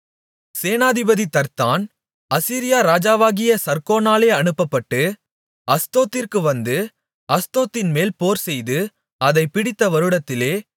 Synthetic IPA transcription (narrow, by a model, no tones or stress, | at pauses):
seːnaːðɪbɐðit̪ɐɾt̪aːn | ɐsiːɾɪjaːɾaːd͡ʒaːʋaːɣɪjɐsɐɾkoːnaːleːɐɳɯpːɐpːɐʈːɯ | ɐst̪oːt̪ːɪrkɯʋɐnd̪ɯ | ɐst̪oːt̪ːɪnmeːlpoːɾsɛjðɯ | ɐðɐɪpɪɽɪt̪ːɐʋɐɾɯɽɐt̪ːɪleː